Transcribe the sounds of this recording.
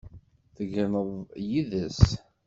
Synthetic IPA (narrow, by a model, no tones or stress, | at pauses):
θəɡənəðˤjiðəs